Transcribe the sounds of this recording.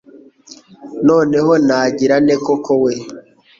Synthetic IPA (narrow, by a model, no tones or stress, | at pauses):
no̞ːneɦo̞naːɟiɾanekokowe